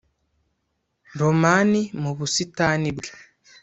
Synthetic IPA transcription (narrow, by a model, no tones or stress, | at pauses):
ɾomanimuβusitanibɡe